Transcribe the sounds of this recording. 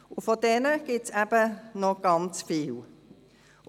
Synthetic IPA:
ʊfodɛnəɡ̥ɪtsæb̥ənoɡ̥ɑnt͡sfiːl

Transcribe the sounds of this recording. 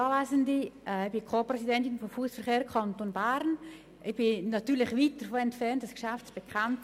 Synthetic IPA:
ɑːvaɪzəndiɛb̥ɪkʰoːprɛsidɛntɪnfɔmfusfəɾχeːɾkʰɑntonbaɾn | ʔɪb̥ɪnɑtyːɾlɪχviːt̚d̥əɾfoɛntfɛɾntd̥ɑskʃaft͡sb̥ɛkʰant

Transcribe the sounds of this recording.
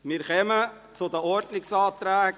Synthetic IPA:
mɪːɾχɛmə | t͡sʊd̪əɔɾdnɪksɑːt̪ɾæːɡ

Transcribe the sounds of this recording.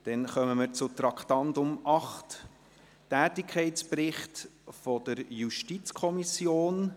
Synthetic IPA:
d̥ɛnχœməməɾt͡sʊt̪ɾɑkʰtɑndʊmʔɑχt | tæːtɪkʰɛɪtsprɪχtfɔd̥̪əɾjuʃtit͡skʰɔmisjoːn

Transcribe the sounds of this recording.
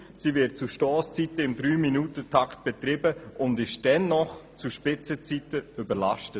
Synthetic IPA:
sivɪt̚t͡suʃtɔːst͡sitəɪmdɾyːminutətʰakt̚b̥ɛt̪ɾɪbəʔʊndɪʃd̥ɛnːɔχt͡suʃpɪt͡sət͡sitəybəɾlaʃtə

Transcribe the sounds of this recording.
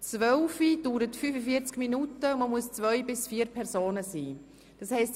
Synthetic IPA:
t͡svœlfid̥uːɾətfyːfəfiəɾt͡skminutəməmuəst͡svœjbɪsfiːəɾpʰɛɾzoːnəsiː | d̥ɑshɛɪst

